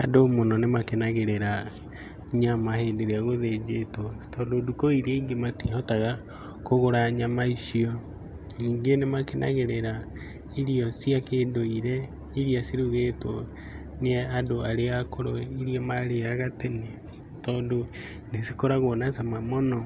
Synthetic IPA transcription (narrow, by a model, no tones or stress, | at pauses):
a̰domonɔnemakenaɣeɾeɾa | ɲamaheːndeɾeaɣoðed͡ʒetwɔtɔːndodukoiɾeiŋɡematihɔtaɣa | koɣoɾaɲamaiʃiɔ | ɲiːŋɡenemakenʔa̰ɣeɾeɾa | iɾiɔsjakeːndoiɾɛ | iɾiasiɾuɣetwɔ | neɛadoaɾeakoɾoiɾijamaɾeɾaɣatene | tɔːndo | nesi̥koɾaɣonasamamɔnɔ